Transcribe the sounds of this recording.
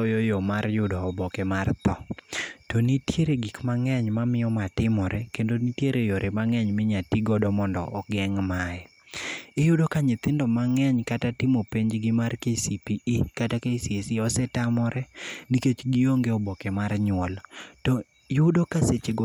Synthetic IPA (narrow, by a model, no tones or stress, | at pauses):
ɔjɔjɔmarjʊdɔːbɔkɛmart̪ɔtɔnitjeɾeɡikmaŋɛɲmamɪjɔmatɪmɔɾʔɛkendonitjeɾejoɾʔemaŋɛɲmɪɲatiɡɔdɔmɔndɔ̰ʔːɡɛŋmajɛ | ɪjʊdokaɲɪt̪ɪndɔmaŋɛɲkatatɪmopeɲd͡ʒɡɪmarkesipiʔikatakeisiesiɔsɛtamɔɾʔɛniket͡ʃɡɪjoŋɡeɔbɔkɛmarɲwɔltɔ | jʊdokaset͡ʃeɡ